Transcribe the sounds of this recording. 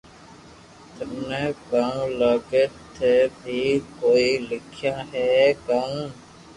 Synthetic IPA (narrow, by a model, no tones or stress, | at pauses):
t̪ənẽːkãːləɡeːt̪ʰebʱiːkoːiːlɪkʰjãːɦɛːkãũ